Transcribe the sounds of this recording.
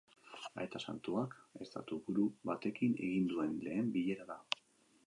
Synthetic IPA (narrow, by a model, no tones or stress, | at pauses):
a̰e̞t̪asa̰nt̪uake̞st̪a̰t̪ubuɾuβat̪e̞kine̞ɣind̪ue̞nle̞ːmbiʎe̞ɾaða